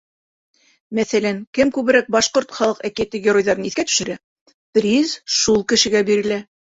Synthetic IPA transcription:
mæθælæŋkɘmkʉβɘ̆ɾæk̚bɑʃqoɾt̪χɑlˠɤqækiæt̪ɘɡʲɪro̞jðɑɾɤniθkæt̪ɵ̥̆ʃɘ̆ɾæ | t̪ɾʲizʃulˠkɘ̆ʃɘ̆ɡæbiɾɘ̆læ

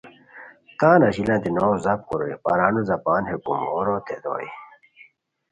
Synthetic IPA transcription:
t̪aːnɐɕilãt̪inoːzɐp̚kuɾoipɐɾaːnuzɐpaːnhekumoːɾot̪ed̪o̰ːj̰

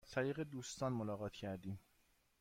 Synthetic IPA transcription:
zt̪ʰæɾiːɣed̪uːst̪ɒːnmolɒːɣɒːt̪ʰcʰæɾd̪iːm

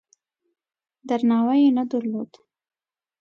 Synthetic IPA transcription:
d̪aɾnɑwajenad̪əɾlod̪

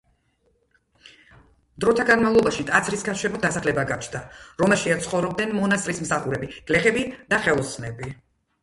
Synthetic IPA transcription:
d̪ɾɔt̪ʰaɡanmavlˠɔbaʃit̪ʼat̪sʰɾiskʰaʃɛmɔd̪asaχlɛbaɡat͡ʃʰnd̪aɾɔmɛlˠʃiat̪sʰχɔvɾɔb̚d̪nɛnmɔnast̪ʼɾismsaχuɾɛbiɡ̥lɛχɛbid̪̥aχɛlˠɔsnɛbi

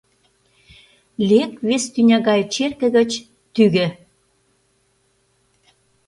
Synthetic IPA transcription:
lʲekβest̪ynʲɑɣɑjt͡ɕerkə̆ɣə̆t͡ɕ | t̪yɣɘ̆

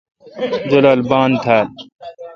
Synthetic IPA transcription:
d͡ʑɐlaːlbaːnt̪ʰaːl

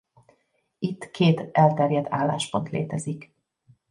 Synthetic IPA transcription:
it̪ːkʰeːt̪ɛlt̪ɛrjɛd̪aːlːaːʃpo̞nt̪lḛːt̪ɛzik

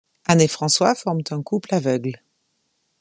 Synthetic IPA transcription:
anefχɑ̃swafɔʁmt̪ɛ̃kuplavœɡl

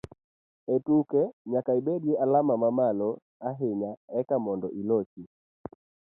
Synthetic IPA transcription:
ɛtukɛɲakaibɛɗiɛalamamamalɔ | aɦɛɲaɛkamɔndɔʔilɔt͡ʃi

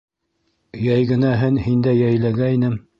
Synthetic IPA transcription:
jæjɡɘ̆næɦɘnhind̪æjæjlæɡæinɘm

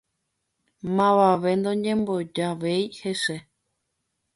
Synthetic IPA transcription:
mãʋaʋe̞nd̪õɲẽmbo̞d͡ʒaʋejheʃe

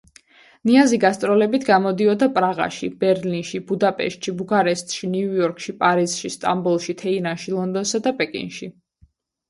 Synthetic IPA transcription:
niaziɡast̪sʼɾɔlɛbit̪ʰɡamɔd̪iɔd̪apʼɾaʁa̰ʃḭb̥ɛɾlinʃibud̪apʼɛ̰ʃt̪ʼʃibuɡaɾɛst̪ʼʃiniujɔɾkʰʼʃipʼaɾiz̥ʃist̪ʼa̰mbulˠʃit̪ʰɛinanʃilˠɔnd̪ɔnsad̪apʼɛkʼḭnʃi

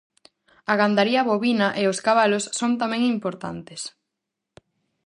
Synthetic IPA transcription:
ɐɣand̪aɾiɐβoβinɐʔeoskaβalosːont̪amɛ̃ŋimpoɾt̪a̰nt̪es

